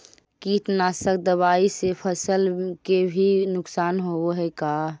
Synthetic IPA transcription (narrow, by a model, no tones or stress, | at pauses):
kiːʈnasək̚d̪əβaːisepʰəsəlkebʱinʊksaːnɦooɦɛkaː